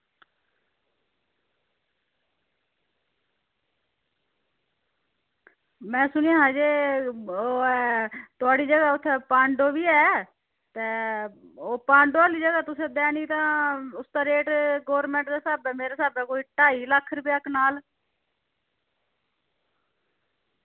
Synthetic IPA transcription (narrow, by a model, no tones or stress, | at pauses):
mɛ̃ːsʊnijãːɦãːd͡ʒeː | oː | t̪ʊaːɖiːd͡ʒəɡaːʊt̪ʰːeːpãːɳɖoːʋiːɛː | t̪eː | oːpãːɳɖoːaːliːd͡ʒəɡaːt̪ʊsẽːd̪ɛːniːt̪ãːʊsd̪aːɾeːʈɡoːɾmɛ̃ːɳʈd̪aːsaːbɛːmeːɾaːsaːbɛːkoːiːʈaːiːləkʰːɾʊpjaːkʰnaːl